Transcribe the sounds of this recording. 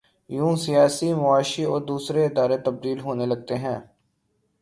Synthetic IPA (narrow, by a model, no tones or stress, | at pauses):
jũːsɪjaːsimʊaːʃiɔːɾd̪uːsɾeɪd̪aːɾet̪əb̚d̪iːlɦoːneləɡ̚t̪eɦɛ̃ː